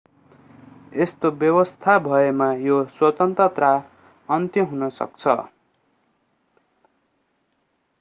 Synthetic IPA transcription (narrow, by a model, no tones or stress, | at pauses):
est̪objʌwʌst̪ʰabʱʌemajoswʌt̪ʌnt̪rʌt̪ra | ʌnt̪jʌɦunʌsʌ̰k̚t͡sʰʌ̰